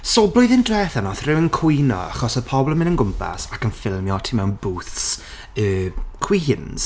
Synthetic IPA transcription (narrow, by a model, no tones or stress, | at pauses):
soːblˠʊjðɪndrɛθanɔθrɪwənkʰʊjnɔ̰a̰χɔsəpʰɔblˠəmɪnənɡʊmpʰa̰sakənfɪlˠmjɔtʰimɛwnbuːθs | əːkʰw̥iɦɪnz̥